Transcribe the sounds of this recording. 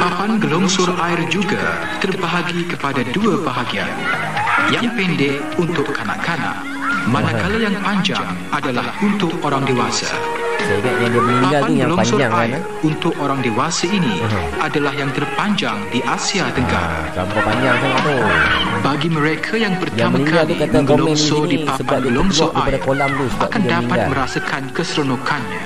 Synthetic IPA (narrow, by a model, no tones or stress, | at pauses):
papanɡəlɔŋsʊraɪrd͡ʒuɡa̰ | t̪ərbaɦaɡikəpadaduabaɦaɡia̰n | jaŋpɛndɛʔ | unt̪ʊkkːana̰ʔkana̰ʔ | manakalajaŋpaɲd͡ʒa̰ŋ | ʔadalahunt̪ʊk̚oɾaŋdewasa̰ | anəlɔsʊaɪr | unt̪ʊk̚oɾaŋdewasaini | adalahjaŋt̪ərpaɲd͡ʒaŋdiʔasiat̪əŋɡa̰ | kampapaɲd͡ʒaŋsaŋat̪ubaɡiməɾekʰajaŋpərtj̪aamənikŋɡalukat̪aolɔɛnsodipasəbailɔŋsoʔʔkəapadakolamlusəbaʔkandaipatɡ̪alməɾasakʰankəsɾonokʰanɲa